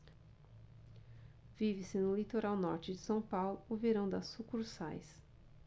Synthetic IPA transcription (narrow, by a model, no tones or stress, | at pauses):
vivɪsɪnʊlit̪oɾawnɔɾt͡ʃɪd͡ʒɪsɐ̃w̃pawlʊːveɾɐ̃w̃d̪ɐsukuɾsajs